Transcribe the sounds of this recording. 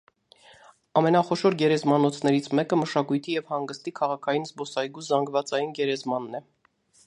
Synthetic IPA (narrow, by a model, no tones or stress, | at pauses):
ɑmɛnɑχɔʃɔɾɡɛɾɛzmɑnɔt͡sʰnɛɾit͡sʰmɛkəməʃɑkujt̪ʰijɛvhɑŋɡəst̪ikʰɑʁɑkʰɑjinzbɔsɑjɡuzɑŋɡvɑt͡sɑjinɡɛɾɛzmɑnːɛ